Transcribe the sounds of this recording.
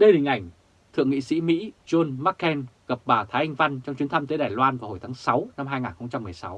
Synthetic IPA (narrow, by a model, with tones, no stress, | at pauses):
ɗə˧jhi˨˩ŋ̟ʔa˧˩jŋ̟ | t̪ʰɨ̰˧˨əŋḭ˧˨sḭ˧˥mḭ˧˥zo˧nma˦˥kːɛ˧nɣə˨˩p̚ɓaː˨˩t̪ʰaː˨˦ʔa˧ŋ̟va˧nt͡ɕɔ˧ŋ͡mt͡ɕi˨˦nt̪ʰa˧mt̪əː˨˦jɗaː˨˩jlwaː˧nvaː˨˩ho˨˩jt̪ʰaː˨˦ŋsa˨˦wna˧mɦaː˧jŋaː˨˩nxə˧wŋ͡mt͡ɕa˧mːɨ˨˩əjsa˨˦w